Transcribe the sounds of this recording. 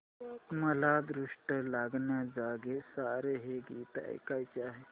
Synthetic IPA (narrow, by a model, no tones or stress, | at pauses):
mɐlaːd̪ɾʊʂʈəlaːɡnjad͡ʒaːɡesaːɾeɦeɡiːt̪a̰ḛkait͡ʃaːɦe